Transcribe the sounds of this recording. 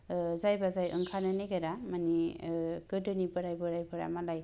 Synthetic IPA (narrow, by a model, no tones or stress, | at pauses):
zajbazajʔɯ̰ŋkʰananeɡaɾamanikɯdɯnibɯɾajbɯɾajbɯɾa̰malaj